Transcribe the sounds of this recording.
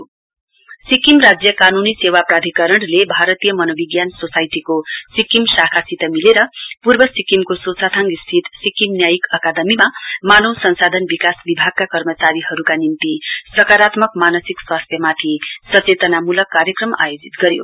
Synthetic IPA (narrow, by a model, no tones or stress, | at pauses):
sikimrad͡zjʌkanunisewaprad̪ʱikʌɾʌɽlebʱaɾʌt̪ijʌmʌnʌbiɡjansosajt̪ikosikimsakʰasit̪ʌmileɾʌpurbʌsikimkososʰat̪ʰaŋɡist̪ʰit̪sikimnjajikʌkad̪ʌmimamanʌwsʌnsad̪ʱʌnbikasbibʱaɡ̚kakʌrmʌt͡saɾiɦʌɾukanint̪isʌkaɾat̪mʌkmanʌsikswast̪ʰjʌmat̪ʰisʌt͡set̪ʌnamulʌkːaɾjʌkrʌma̰jod͡zit̪ɡʌɾjo̰